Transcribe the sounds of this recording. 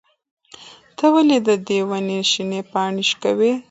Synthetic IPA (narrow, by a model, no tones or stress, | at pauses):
t̪əwaled̪əd̪ewaneʃinepɑɳiʃkawe